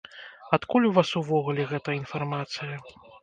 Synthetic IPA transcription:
at̪kulʲuvasuvɔɣulʲɛɣɛt̪ɐinfarmat̪sɨjɐ

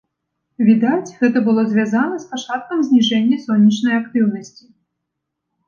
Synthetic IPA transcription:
vʲid̪at͡sʲɣɛt̪ɐbɨlˠɔzʲvʲazanɐspat͡ʂat̪̚kɐmzʲnʲiʐɛnʲːɐsɔnʲːit͡ʂnɐjakt̪ɨwnɐsʲt͡sʲi̥

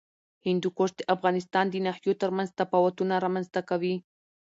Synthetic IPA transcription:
hɪnd̪ʊkoɾt̪eʔafɣanɪst̪and̪inaħjot̪aɾmanzt̪apawat̪ʊnaɾamanzt̪akawi

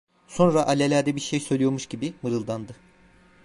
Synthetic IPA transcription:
so̞nɾaʔalʲelʲæɾd̪ɛbiɾʃejsø̞jlʲijo̞ɾmuʃɟibimɯɾɯlˠd̪and̪ɯ

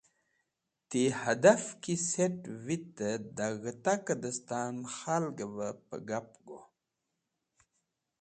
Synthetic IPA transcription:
t̪ehad̪afkiseʈvit̪ːəd̪aɣət̪akəd̪əst̪anxalɡəvəpə̰ɡapɡo

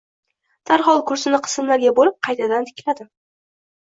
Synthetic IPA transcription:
d̪̥aɾχɒlˠkʰʊɾsɪnɪqʰɨ̥sɪmlaɾɡʲabolɪp̚qʰɑjt̪ʰad̪ant̪ʰɪ̥kʲlad̪ɪ

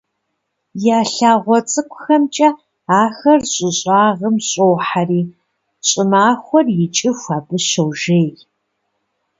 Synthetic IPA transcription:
jaːɬaːʁʷɔt͡sʼɨkʷʰʼʊxɐmt͡ʃʼɐ | aːxɐrɕʼɪɕʼaːʁəmɕʼowħariː | ɕʼɪmaːxʷɔrjɪt͡ʃʼɪxʷaːbɨʃowʒeːj

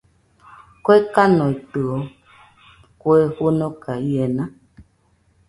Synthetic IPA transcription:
koekanɔ̃it̪ɨɔ | kwehonɔ̃kaienã

